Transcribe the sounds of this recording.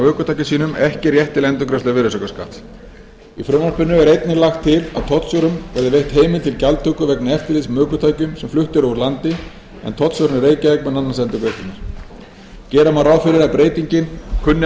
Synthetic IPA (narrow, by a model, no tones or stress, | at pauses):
mœːkʏt̪ʰajcɪsiːnʏmɛhcɪrjɛht̪ːɪlɛnt̪ʏkɾɛst̪avɪɾʏsœkaska̰t̪ | ifɾʏnaspʏnːʏɛɾejt̪nɪlaxt̪ʰːɪla̰ðt̪ʰɔt̪sœwɾʏmvɛɾðɪvejht̪heːjmɪlt̪ʰɪlcalt̪ʰœkʏvɛknaɛft̪ɪɾlismœːkʏt̪ʰaːjcʏmsɛmflʏht̪ʏɾɔɣʏɾlant̪ɪ | ɛ̰nt̪ʰɔt̪sœwɾnreːjcavɛkmɛnanːasɛnt̪ʏkɾest̪ʏnaɾ̥ | cɛːɾamaɾawfɪɾɪɾaðpɾeːjt̪iɲcɪnkʰʏnːɪ